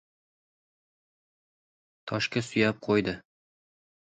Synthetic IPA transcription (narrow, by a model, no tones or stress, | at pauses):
t̪ʰɒʃkasɵ̆jæp̚qʰojd̪ɤ